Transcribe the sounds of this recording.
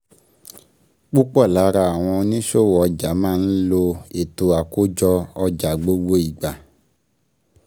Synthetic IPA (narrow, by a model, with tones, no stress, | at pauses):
k͡pu˦k͡pɔ˦˨la˨˦ɾa˧a˨w̃ɔ̃˧nĩ˦ʃo˦˨wɔ˨ɔ˧d͡ʒa˨˦mãː˦˧˨n̩˦lo˧e˨to˨a˨ko˦d͡ʒɔ˧ɔ˧d͡ʒa˨ɡ͡bo˦ɡ͡bo˦i˨ɡ͡ba˨